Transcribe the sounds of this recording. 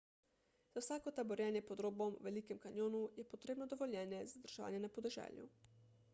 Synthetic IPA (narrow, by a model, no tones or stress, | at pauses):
z̥awsaːkɔt̪abɔɾjɛnjɛpɔd̪ɾoːbɔmʋɛliːkɛmkanjoːnujɛpɔt̪ɾeːbnɔd̪ɔʋɔljɛːnjɛzad̪əɾʒ̥ɛʋa̰ːnjɛnapɔd̪ɛʒɛ̰ːljṵ